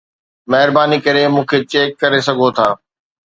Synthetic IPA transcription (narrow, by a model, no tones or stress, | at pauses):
mɛɦɾbaːnikɐɾemũːkʰeːt͡ʃeːkːɐɾesɐɡʱot̪ʰaː